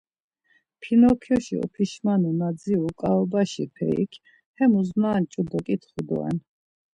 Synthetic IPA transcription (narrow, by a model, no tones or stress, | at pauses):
pʰinɔkʰɔʃḭɔ̰pʰiʃmanunad̪ziukʼaɔbaʃipʰɛ̰ḭkʰ | hɛmuzmaːnt͡ʃʼub̪ɔkʼit̪ʰχud̪ɔ̰ɛ̰n